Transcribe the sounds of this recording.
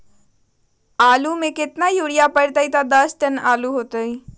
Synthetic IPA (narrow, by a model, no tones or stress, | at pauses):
aːlumẽkɪt̪najoːɽijapəɽt̪əit̪ad̪əsʈənaːluɦoːt̪əi